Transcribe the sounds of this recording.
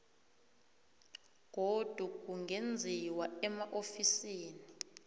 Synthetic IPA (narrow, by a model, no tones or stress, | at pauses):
k̬od̥ʱuk̬uŋend͡zʱiwaɛmaʔofisiːni